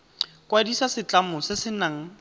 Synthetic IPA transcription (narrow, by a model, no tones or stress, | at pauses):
kʼwadisasɪt͡ɬamʊsɪsɪnaŋ̩